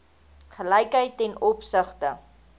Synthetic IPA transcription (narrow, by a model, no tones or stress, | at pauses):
χəlɐjkɦəjtːɛnɔpsəχtə